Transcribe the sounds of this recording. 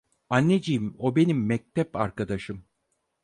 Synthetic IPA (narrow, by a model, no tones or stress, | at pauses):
anːed͡ʒijimo̞be̞nimːɛc̚t̪ʰɛpa̰ɾkad̪aʃɯm